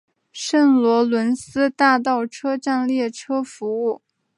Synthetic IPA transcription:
ʂə˥˩nlwɔ˧˥lwə˧˥nsɹ̩˥t̪a˥˧t̪̬ɑ˥˩ʊʈ͡ʂʰɤ˥ʈ͡ʂa˥˧nljɛ˥˩ʈ͡ʂʰɤ˥fu˧˥u˥˩

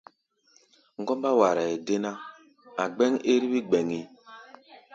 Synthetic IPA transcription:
ŋ̩˦ɡɔ˦mba˦wa˨ɾa˨e˨de˦na˦ | a˨ɡ͡bɛ˦ŋe˦ɾi˦bi˦ɡ͡bɛ˨ŋi˦

